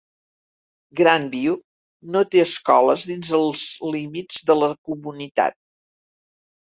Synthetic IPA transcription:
ɡɾambiu | not̪eəskɔləzðinzəlˠzlimid͡zðələkumunit̪a̰t̪̚

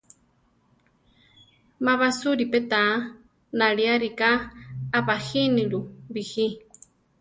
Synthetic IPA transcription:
maβasuɾipet̪a | naɺiaɾikaːβahiniɺuβihi

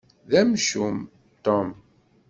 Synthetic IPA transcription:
ðæmʃum | t̪ɔm

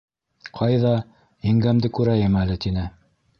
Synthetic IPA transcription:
qʰɑjðɑ | iŋɡæmd̪ɘkʉɾæjɘmælɘt̪inɘ

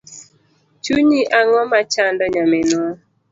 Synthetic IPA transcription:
t͡ʃuɲiʔaŋɔmat͡ʃandɔɲamenwa

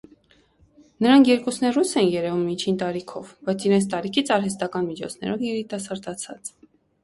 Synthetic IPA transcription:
nəɾɑŋkʰjɛɾkusnɛrusɛnjɛɾɛvumːit͡ʃʰint̪ɑɾikʰɔvbɑjt͡sʰiɾɛnt͡sʰt̪ɑɾikʰit͡sʰɑɾɦɛst̪ɑkɑnmit͡ʃʰɔ̰t͡sʰnɛ̰ɾɔvjɛɾit̪ɑsɑɾd̪ɑt͡sʰɑt͡s

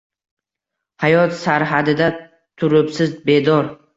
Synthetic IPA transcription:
hajɒt̪saɾɦad̪ɪd̪a | t̪ʰʊɾʊpsɪzbe̞d̪ɒɾ

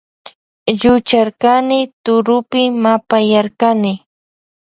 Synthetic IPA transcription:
ʎʊt͡ʃaɾkanɪt̪ʊɾʊpɪmapajaɾkanɪ

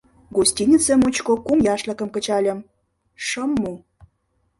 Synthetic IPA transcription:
ɡusʲtʲinʲit͡sĕmut͡ɕkokumjɑʃlə̆kə̆mkə̆t͡ɕɑlʲə̆m | ʃə̆mːu

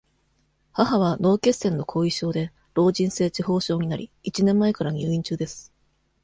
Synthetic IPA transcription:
haɦaβano̞ːke̞sẽ̞nːo̞kʰo̞ːiɕo̞ːd̪e̞ | ɾo̞ːʑĩɰ̃se̞ːt͡ɕiho̞ːɕo̞ːɲ̟inaɾʲḭit͡ɕinẽ̞mːae̞kaɾaɲ̟ɯːĩɲt͡ɕɨːd̪e̞sɨ̥

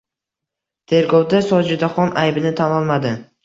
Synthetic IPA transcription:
t̪ʰe̞ɾɡɒwd̪asɒd͡ʒɪd̪aχɒnajbɪnɪt̪ʰanɒlˠmad̪ɪ

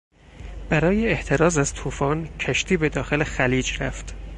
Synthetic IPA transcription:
b̥æɾɒːjeːht̪ʰe̞ɾɒːzæz̥t̪ʰuːfɒːncʰæʃt̪ʰiːbe̞d̪ɒːxe̞lexæliːd͡ʒɾæft̪

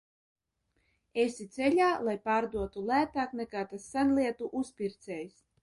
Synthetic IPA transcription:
esʲit̪sɛlʲaːlˠajpaːɾd̪uɔt̪ulˠæːt̪aːknɛkaːt̪asːænlʲiɛt̪uʔuspʲiɾt̪sʲɛːjs

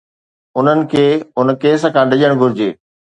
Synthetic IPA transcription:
ʊn̤ənɪ̆kʰeːʊn̆keːsə̆kʰãɗɪʄəɽ̃ɡʱʊɾɪd͡ʑeː

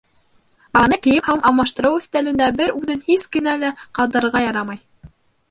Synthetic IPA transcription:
ɑnɤkɘ̆jɘphɑmʔɑwmɑʃt̪ɤ̆ɾɤwɵ̆θt̪ælɘ̆nd̪æbɘɾʉðɘnhiskɘ̆nælæqɑlˠd̪ɤ̆ɾɤ̆ɾʁɑjɑɾɑmɑj

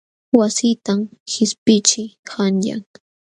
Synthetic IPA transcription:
wasɪt̪amxɪspɪt͡ʃɪjhanʎa̰ŋ

